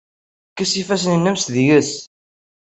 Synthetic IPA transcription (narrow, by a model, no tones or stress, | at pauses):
kːæsifæs̬ənənːæmsðjəs